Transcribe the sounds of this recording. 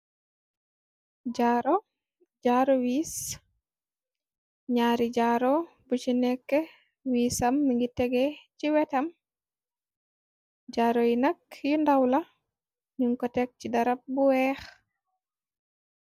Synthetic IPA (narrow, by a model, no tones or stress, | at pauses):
ɟaɾo | ɟaːɾowiːs | ɲaːɾiɟaːɾo | but͡ʃinɛkːɛ | wiːsɐmːiŋɡitɛɡɛciwɛtɐm | ɟaːɾojinɐkjundawla | ɲuŋkɔtɛk̚cidɐɾap̚buwɛx